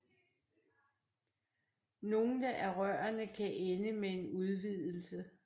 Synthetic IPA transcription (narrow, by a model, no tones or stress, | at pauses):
no̝ːn̩d̥æʔæɐʁɶ̰ɐnəkʰæʔenəmee̝nuðˠʋið̞̰ˠl̩sə